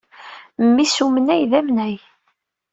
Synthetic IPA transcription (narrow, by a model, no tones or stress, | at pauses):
mːisumənæjðæmnæj